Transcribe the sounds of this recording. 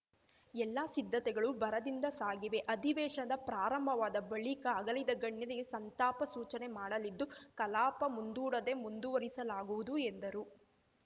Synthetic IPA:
ɛlːaːsid̪ʱːɐt̪ɛɡɐɭubɐɾɐd̪ind̪ɐsaːɡiʋe̞ʔɐd̪ʱiʋɛːʂɐɐd̪ɐpɾaːɾɐmbʱɐʋaːd̪ɐbɐɭikɐːɡɐlid̪ɐɡɐɳːjɐɾiɡe̞sɐnt̪aːpɐsuːt͡ʃɐne̞maːɽɐlid̪ːukɐlaːpɐmund̪uːɽɐd̪e̞mund̪uʋɐɾisɐlaːɡuʋud̪uend̪ɐɾu

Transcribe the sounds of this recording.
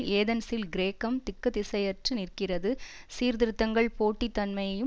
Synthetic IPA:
eːðɐnsɪlɡɪɾeːkɐmt̪ɪkːɐðɪsɐjɐʈrɯnɪrkɪrɐðɯ | siːɾd̪ɪɾɯt̪ːɐŋɡɐɭpoːʈːit̪ːɐnmɐjɐjɯ

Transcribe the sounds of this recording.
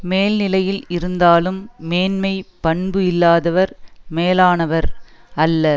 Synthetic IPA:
meːlnɪlɐjɪlɪɾɯnd̪aːlɯmːeːnmɐɪpɐɳbɯɪlːaːðɐʋɐɾmeːlaːnɐʋɐɾɐlːɐ

